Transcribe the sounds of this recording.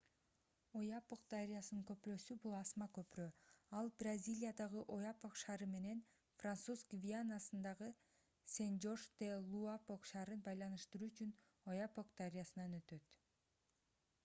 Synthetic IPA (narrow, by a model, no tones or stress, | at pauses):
o̞jɑpoq̚d̪aɾʲijasnɯŋkø̞pɾø̞ːsybulˠɑsmɑkøpɾøːɑlˠbrazʲilʲijad̪ɑʁɯʔo̞japoqʃɑːɾɯme̞ne̞n | frant̪suzkvʲianːasɯnd̪ɑʁɯ | send͡ʒo̞ʃd̪elˠuapoqʃɑːɾɯnbɑjlˠɑnɯʃt̪ɯɾuːyt͡ʃyn | o̞japoq̚d̪aɾʲijasɯnɑnø̞t̪ø̞t̪